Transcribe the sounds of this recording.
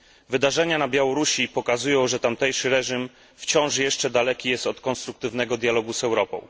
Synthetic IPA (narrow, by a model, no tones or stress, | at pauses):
vɘd̪aʐɛɲanabʲjawɔɾuɕipɔkazujɔ̃w̃ʐɛt̪amt̪ɛjʂɘɾɛʐim | ft͡ɕɔ̃w̃ʂjɛʂt͡ʂɛd̪alɛkʲijɛst̪ɔt̪kɔnst̪ɾuk̚t̪ɘvnɛɡɔd̪ʲjalɔɡuzɛwɾɔpɔ̰̃w̃